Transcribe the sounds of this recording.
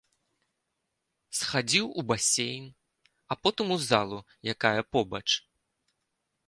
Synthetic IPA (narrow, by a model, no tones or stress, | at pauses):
sxad͡zʲiwubasʲejn | apɔt̪ɨmuzalˠu | jakajɐpɔbɐt͡ʂ